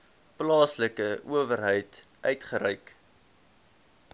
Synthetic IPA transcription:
plɑːsləkəʔuəvərɦəjtʔœɥtχəɾɛjk

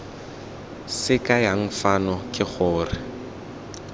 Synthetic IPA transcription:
sɪkʼajaŋ̩fanɔkʼɪχʊːrɪ

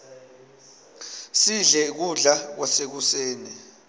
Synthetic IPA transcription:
siɮɛk̬uɮak̬wasek̬useːni

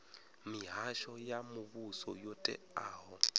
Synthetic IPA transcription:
miɦaʃɔjamuβusɔjotʼɛ̰ | aːɦɔ

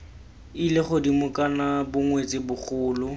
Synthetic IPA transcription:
ilɪχʊdimʊkʼanabʊŋwet͡sʼɪbʊχʰʊːlʊ

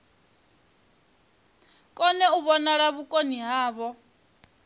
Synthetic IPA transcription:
kʼɔnɛuβɔnaɺaβukʼoniɦaːβɔ

